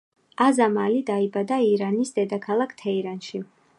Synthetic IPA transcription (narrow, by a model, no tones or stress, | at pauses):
azamalid̪aibad̪aiɾanisd̪ɛd̪akʰalˠakʰt̪ʰɛiɾanʃi